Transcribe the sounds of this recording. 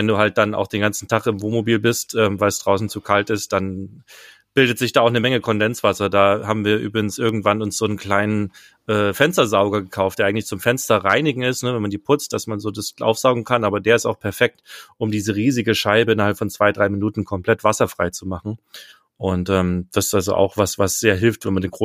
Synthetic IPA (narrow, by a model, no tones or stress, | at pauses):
vɛnduːhalt̚d̥ana̰ʊxd̥eːnɡant͡sn̩tʰaχɪmvoːnmobiːlbɪstʔɛːmvaɪlsd̥ʁaʊsn̩t͡sukʰaltɪstd̥an | b̥ɪldətz̥ɪçd̥aːaʊxnəmɛŋəkʰɔndɛnt͡sv̥asɐdaːhaːbm̩viːɐʔy̰ːbʁɪɡŋ̩sʔɪɐɡŋ̩tv̥anʊnsz̥oːnkl̥aɪnən | ʔɛːfɛnstɐzaʊɡɐɡəkʰaʊftd̥eːɐaɪŋ̩tlɪçt͡sʊmfɛnstɐʁaɪnɪɡŋ̩ɪstnəvɛnmandiːpʰʊt͡st̚d̥asmanzoːdasʔa̰ʊfz̥aʊɡŋ̩kʰanʔaːbɐdeːɐɪstaʊxpʰɛɐfɛk̚tʔʊmdiːzəʁiːzɪɡəʃaɪbəɪnɐhalpfɔnt͡sv̥aɪdʁaɪminuːtn̩kʰɔmpl̥ɛtv̥asɐfʁ̥aɪt͡sumaχn̩ | ʔʊntʔɛːmd̥asɪ̥stʔalzo̰ʔa̰ʊxv̥asv̥asz̥eːɐɦɪlftvɛnmandeːnɡʁoː